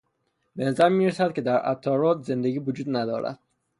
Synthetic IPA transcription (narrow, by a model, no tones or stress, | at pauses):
benæzæɾmiːɾesæd̪̥̚kʲcʰe̞d̪æɾæ̰t̪ʰːɒːɾɒːt̪ze̞nd̪eɡiːvod͡ʒuːd̪næd̪ɒ̰ːɾæ̰d̪̥̚